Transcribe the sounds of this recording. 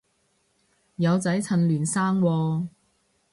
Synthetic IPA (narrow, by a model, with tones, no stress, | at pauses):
jɐ˨˧wt͡sɐ˨˥jt͡sʰɐ˨nlyː˨˩nsaː˥ŋwɔː˧